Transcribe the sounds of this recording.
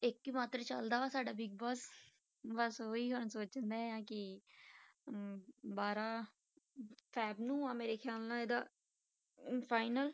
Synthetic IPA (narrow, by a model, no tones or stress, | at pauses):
ɪkːiːmaːt̪ɾət͡ʃə̰ld̪aːʋaːsaːɖaːbɪɡbɔːs | bəsoːiːɦʊɳsoːt͡ʃnd̪aːjãːkɪ | baːɾaː | pʰɛːbnũːãːmeːɾeːkʰjaːlnãːeːd̪aː | pʰaːɪnəl